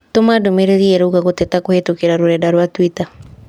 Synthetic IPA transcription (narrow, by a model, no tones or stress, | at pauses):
tomadomeɾeɾiɛɾouɣaɣotɛtakohetokeɾaɾoɾɛdaɾwatwita